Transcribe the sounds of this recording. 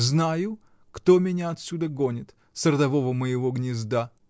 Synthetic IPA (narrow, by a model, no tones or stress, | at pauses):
znajʊ | kt̪omʲɪnʲaɐt̪sʲud̪əɡonʲɪt̪ | səɾəd̪ɐvo̞vəməjɪvoɡnʲɪzd̪a